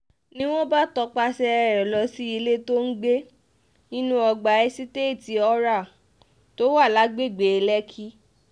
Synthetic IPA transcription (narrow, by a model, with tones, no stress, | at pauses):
nĩ˦w̃ɔ̃˦ba˦tɔ˧k͡pa˧sɛ˧ɛ˧ɾɛ˨lɔ˧si˦i˧le˦to˦n̩˦ɡ͡be˦ | ĩ˦nũ˦ɔ˧ɡ͡ba˨ɛ˧˦si˦te˦i˦˨ti˧˦ɔ˦ɾa˦˨ | to˦wa˦˨la˨˦ɡ͡be˦˨ɡ͡be˨e˧lɛ˦kʰi˦